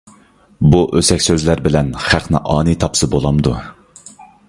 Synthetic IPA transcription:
buʔøsɛkʲsøzlæɾbɪlɛnχæqʰnɪ̰ʔɑːnɨt̪ʰɑpsɨbolˠɑmd̪ṵ

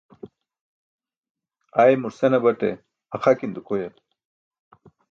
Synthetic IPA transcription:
ajmuɾsenɐbɐʈḛ | ɐxakind̪ukojɐt̪

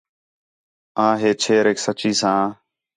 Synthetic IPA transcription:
ãːɦeːt͡ʃʰeːɾeːksət͡ʃiːsãː

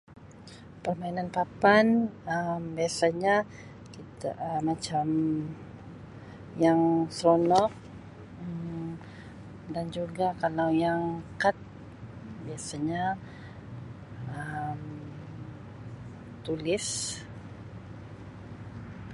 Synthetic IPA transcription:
pərmainanpapanəmbiasaɲa | kit̪amat͡ʃam | jaŋsɾonɔk̚ | ə | dand͡ʒuɡakalawjaŋkat̪̚ | biasaɲa | əm | t̪ulɪs

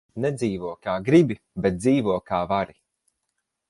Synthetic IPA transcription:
nɛd̪ziːvuɔkaːɡɾibi | bɛt̪̚d̪ziːvuɔkaːvaɾi

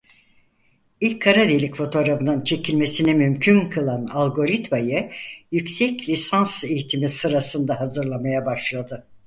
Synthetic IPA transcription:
ilʲcʰːaɾad̪elʲicfo̞t̪ʰo̞ɾafɯnɯnt͡ʃʰe̞cʰilʲme̞sinɛmymcʰynkʰɯlˠanalʲˠɡo̞ɾit̪majɯjycsɛclʲisansejit̪ʰimisɯɾasɯnd̪aɦazɯɾlˠamajabaʃlˠad̪ɯ

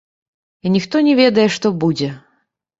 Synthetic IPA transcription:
inʲixt̪ɔnʲɛvʲɛd̪ɐjɛʂt̪ɔbud͡zʲɛ

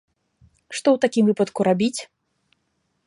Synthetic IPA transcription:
ʂt̪ɔwt̪akʲimvɨpɐt̪kuɾabʲit͡sʲ

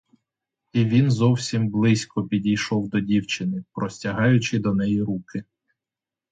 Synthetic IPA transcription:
iʋʲinzɔwsʲimblˠɪsʲkɔpʲidʲijʃɔwd̪ɔdʲiwt͡ʃɪnɪpɾɔsʲtʲɐɦɑjʊt͡ʃɪd̪ɔnɛjiɾukɪ

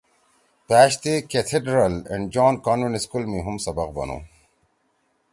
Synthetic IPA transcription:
pæːɕt̪eket̪ʰeɖɾɐlḛ̃ɳɖd͡ʒɔːnkaːnʋeɳiskulmiɦumsɐbɐqbɐ̰nõ̰ː

